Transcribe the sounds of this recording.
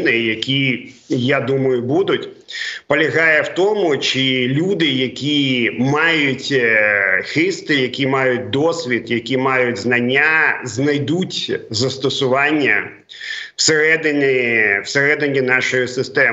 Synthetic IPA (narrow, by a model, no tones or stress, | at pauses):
nɪjɐkʲijad̪umɐjʊbud̪ʊtʲpɔlʲɪɣɑjɛwt̪ɔmʊt͡ʃilʲud̪ɪjɐkʲimɑjʊtʲ | xɪst̪ɪjɐkʲimɑjʊt̚ʲd̪ɔsʲʋʲid̪jɐkʲimɑjʊtʲznɐnʲːaznɐjd̪utʲzɐst̪ɔsʊʋɑnʲːɐ | w̥seɾɛd̪ɪnʲɪwseɾɛd̪ɪnʲinɑʃɔjʊsɪst̪ɛ